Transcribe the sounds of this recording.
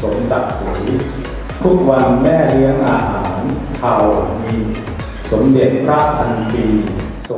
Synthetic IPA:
so˩˦msa˨˩t̪̚siː˩˦ | t̪ʰu˦˥˩k̚wa˧nmɛː˥˩ɾɯ˦˥əŋʔaː˧ɦaː˩˦nt̪ʰa˧wmiː˧ | so˩˦mde˨˩t̪̚pʰɾaː˥˩p̚t̪ʰa˧np̪iː˧ | so˨˩˦

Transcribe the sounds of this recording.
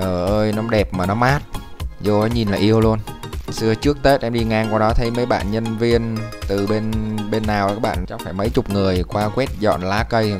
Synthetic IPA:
ʔəː˨˩ʔəː˧jnɔ˨˦ɗɛ˨˩p̚maː˨˩nɔ˨˦maː˦˥t̚ | zo˧ɔ˨˦ɲi˨˩nlaː˨˩ʔi˧əwlu˧ənsɨ˧ət͡ɕɨ˦˥ək̚t̪e˦˥t̚ʔɛ˧mɗi˧ŋaː˧ŋkwaː˧˩wɗɔ˨˦t̪ʰə˨˦jmə˨˦jɓa̰ː˧˨nɲə˧nvi˧ənt̪ɨ˨˩ɓe˧nɓe˧nːaː˨˩waː˦˥k̚ɓa̰ː˧˨t͡ɕɔ˨˦faː˧˩jmə˨˦jt͡ɕʊ˨˩k͡p̚ŋɨ˨˩əjkwaː˧kwɛ˦˥t̚zɔ̰˧˨nlaː˨˦kə˧j

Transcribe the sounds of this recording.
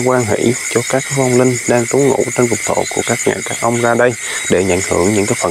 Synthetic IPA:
kwaː˧ŋɦḭ˧˩˥t͡ɕɔ˧kaː˦˥k̚vɔ˧wŋ͡mlï˧ŋ̟ɗaː˧ŋt̪u˨˦ŋ͡mŋṵ˧˥t͡ɕe˧nkʊ˨˩k͡p̚t̪ʰo̰˧˨˩ku˧˩əkaː˦˥k̚ŋa̰ː˨˩jkaː˦˥k̚ʔə˧wŋ͡mzaː˧ɗə˧j | ɗe˧˩ɲa̰˧˩jŋ̟hɨ˧˩əŋɲɨ̰˧˥ŋkaː˨˦jfə˨˩

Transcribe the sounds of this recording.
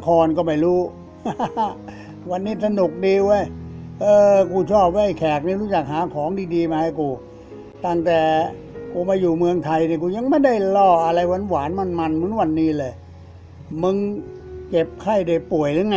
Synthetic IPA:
kʰɔː˧nkɔ˥˩ma˧˩jɾuː˦˥˩ | wa˧nːiː˦˥˩t̪ʰa˧nu˨˩k̚diː˧wə˦˧˥jʔɤː˧kuː˧t͡ɕʰɔː˥˩p̚waː˧˦ha˧˩jkʰɛː˨˩k̚niː˧˩˨ɾuː˦˥t͡ɕa˨˩k̚haː˩˦kʰɔː˩˦ŋdiː˧diː˧maː˧ha˧˩jkuː˧ | t̪a˥˩ŋt̪ɛː˨˩ | kuː˧maː˧juː˨˩mɯ˧əŋt̪ʰa˧jni˧˩k̬uː˧ja˧ŋma˥˩jda˥˩jlɔː˧˩ʔa˧ɾa˧jwa˧˥˨nwaː˩˦nma˧˩˨nma˧nmɯ˦˥˦nwa˧nːiː˦˥˩lɤː˧˩j | mɯ˧ŋ | ke˨˩p̚kʰa˥˩jda˨˩pu˨˩əjɾɯ˧˦ŋa˧

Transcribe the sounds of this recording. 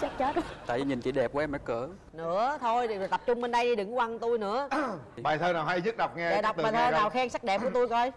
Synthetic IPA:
t͡ɕa˦˥k̚t͡ɕə˦˥t̚t̪a̰ː˧˨jvi˨ɲi˨˩nt͡ɕi˨˦ɗɛ˨˩p̚ku˨˧˦ʔɛ˧ma˧˦kəː˧˦ | nɨ̰˧˥ət̪ʰo˧jo˨˩t̪ə˨˩p̚t͡ɕʊ˧ŋ͡mɓe˧nɗa˧jɗi˧ɗɨ˨˩ŋ˧˦wa˧˩nt̪u˧jnɨ̰˧˥əɓaː˨˩jt̪ʰəː˧naː˨˩wɦa˧jɲɨ˦˥ɗə˨˩wk͡p̚ŋɛ˧a˧˨˩jɗa˨˩w̚k͡p̪̚ɨ˨ɓːt̪ʰəː˧naː˨˩wxɛː˧ŋsa˦˥k̚ɗɛ˨˩p̚ku˧˩˦ət̪u˧jkɔ˧j

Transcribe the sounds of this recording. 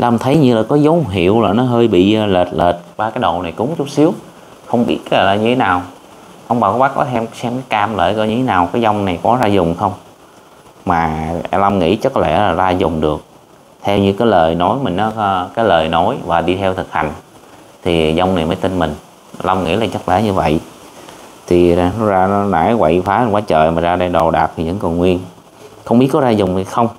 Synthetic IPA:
la˧ŋ͡mt̪ʰə˨˦jɲɨ˧laː˨˩kɔ˨˦zə˨˦wɦḭ˧˨əwlaː˨˩nɔ˨˦ɦəː˧jɓḭ˧˨˧le˨˩t̚leː˨˩t̚ɓaː˧kaː˨˦jɗo̰˧˨na˨˩jkʊ˨˦ŋ͡mt͡ɕu˦˥t̚si˨˦əw | xə˧wŋ͡mɓḭ˦˥ət̚kːlaː˨˩ɲɨ˧t̪ʰe˨˦naː˨˩w | ʔə˧wŋ͡mɓaː˨˩kɔ˦ɓaː˦˥k̚kɔ̰˨˦t̪ʰɛ˧msɛ˧mka˨˦jkaː˧mlə̰ː˧˨jkɔ˧˩ɲɨ˧t̪ʰe˨˦naː˨˩wkaː˨˦jza˧wŋ͡mna˨˩jkɔ˨˦zaː˧zʊ˨˩ŋ͡mxə˧wŋ͡m | maː˨˩˧la˧mŋḭ˧˥t͡ɕɔ˨˦kɔ˨˦t̪ʰɛ̰˧˩laː˨˩zaː˧zʊ˨˩ŋ͡mɗɨ˨˩ək̚ | t̪ʰɛ˧wɲɨ˧kaː˨˦jləː˨˩jno˨˦jmï˨˩ŋ̟ɔ˨˦˧kaː˨˦jləː˨˩jno˨˦jvaː˨˩ɗi˧t̪ʰɛ˧wt̪ʰɨ˨˩k̚ha̰˨˩jŋ̟ | t̪ʰi˨˩za˧wŋ͡mna˨˩jməː˨˦jt̪i˧nmï˨˩ŋ̟˧ | la˧mŋḭ˧˥laː˨˩t͡ɕə˦˥k̚lɛ̰ː˧˥˦ɲɨ˧və̰˧˨j | t̪ʰi˨˩a˧nɔ˨˦zaː˧nɔ˨˦na̰ː˧˥˦jwḛ˧˨jfaː˨˦˨nkwaː˨˦t͡ɕəː˨˩jmaː˨˩zaː˧ɗa˧ɗo˨˩ɗaː˨˩p̚t̪ʰi˨˩ɲɨ̰˧˥ŋkɔ˨˩nŋwi˧ən | xə˧wŋ͡mɓi˦˥t̚kɔ˨˦zaː˧zʊ˨˩ŋ͡mi˨˩xə˧wŋ͡m

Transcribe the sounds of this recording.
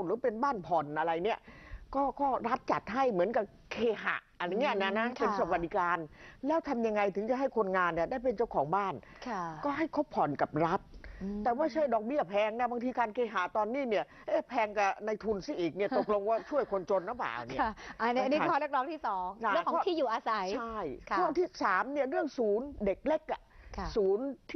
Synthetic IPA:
ɾɯː˨˦pe˧nbaː˥˩npʰɔ˨˩nʔa˧ɾa˧jni˦˥˩əkɔː˥˩kɔː˥˩ɾa˦˥t̪̚t͡ɕa˨˩t̪̚ɦa˥˩jmɯ˩˦ənka˨˩ | kʰeː˧ɦa̰˨˩ʔʔa˧ŋːi˦˥əna˦˥na˦˥pe˧sa˧wa˨t̚di˨˦˥kaː˧nlɛː˦˥wt̪ʰa˧mja˧ŋːa˧jt̪ʰɯ˩˦ŋt͡ɕa˨˩ɦa˥˩jkʰo˧nŋaː˧nːi˥˩ɐdaː˥˩jpe˧nt͡ɕa˥˩wkʰɔː˩˦ŋbaː˥˩n | kʰkɔː˥˩ɦa˥˩jkʰo˦˥pʰːɔ˨˩˦nka˨˩p̚ɾa˦˥t̪̚t̪ɛː˨˩ma˥˩jt͡ɕʰa˦˥˩jdɔː˨˩k̚bi˥˩ɐpʰɛː˧ŋna˦˥˩ba˧ŋt̪ʰiː˧kaː˧nkeː˧˩ɦaː˩˦t̪ɔː˧nːiː˥˩ni˦˥˩ə | ʔeː˦˥˩pʰɛː˧ŋka˨˩na˧jt̪ʰu˧nsi˧˥˩ʔiː˨˩k̚ni˥˩ɐt̪o˨˩k̚lo˧ŋkɔː˥˩t͡ɕʰu˥˩əjkʰo˧nt͡ɕo˧nɾa˦˥˩ba̰ː˨˩wnii˥˧a˧n˦˥˧a˧niː˦˥˧kʰɔː˦˥lɯ˥˩k̚lɔː˦˥ŋt̪ʰiː˥˩sɔː˨˩˦ŋa˧˦˥kʰɔ˧kɔː˥tʰiː˥˩juː˨˩ʔaː˧sa˨˦ja˥˩jɯ˥˩˧ŋt̪ʰiː˥˩saː˩˦mni˥˩əɾɯ˥˩əŋsuː˨˩˦nde˨˩k̚le˦˥˩k̚ʔa˨˩˧suː˩˦nt̪ʰ

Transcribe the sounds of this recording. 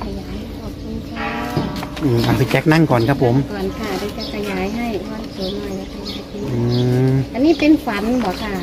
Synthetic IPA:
kʰa˧jaː˨˦ja˧˩ɔː˨˩iː˧˥˩kʰa˧˥˩ | ʔɯː˧˩mʔaː˨˩sʰa˧˩t͡ɕɛ˦˥k̚na˥˩ŋkɔː˨˩nkʰa˦˥pʰːo˨˦mkɔː˨˩nkʰa˧˥˩daː˧˦ka˧˩kʰa˧jaː˨˩˦jɦa˥˩jkʰɔː˧˩nsʰoː˨˦mːa˨˩jla˧˩kʰa˧˩˨a˧˩kʰi˧ʔɯː˧˩t̪ɛː˨˩niː˥˩pe˧nfa˨˦nbɔː˨˦kʰa˥˩

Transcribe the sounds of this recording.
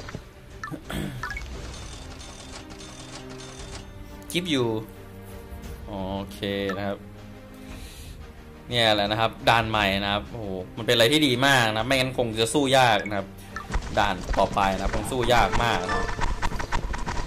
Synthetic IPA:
kʰi˦˥p̚juː˨˩ | ʔoː˨˩kʰeː˧na˦˥kʰa˦˥p̚ | ni˥˩ɐlɛ˨˩na˦˥kʰa˦˥p̚daː˧˩nma˨˩jna˦˥kʰa˦˥p̚ʔo˧hoː˨˩ma˧npe˧nʔa˧jt̪ʰiː˥˩diː˧maː˥˩k̚naa˥p̚ma˥˩ŋa˦˥nkʰo˧ŋt͡ɕa˨˩suː˥˩jaː˥˩k̚na˧kʰa˦˥p̚ | daː˧˩nt̪ɔː˨˩pa˧jna˦a˥p̚kʰo˧ŋsuː˥˩jaː˥˩k̚maː˥˩k̚kʰa˦˥p̚

